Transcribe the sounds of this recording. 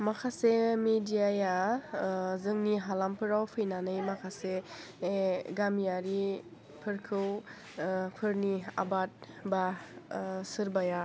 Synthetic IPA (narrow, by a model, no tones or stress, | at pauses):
makʰasemedijaja | zɯŋniɦalampʰɯɾawpʰɯjnanɯjmakʰase | ɡamijaɾi | pʰɯɾkʰɯw | pʰɯɾnia̰bat̚ | ba | sɯɾbaja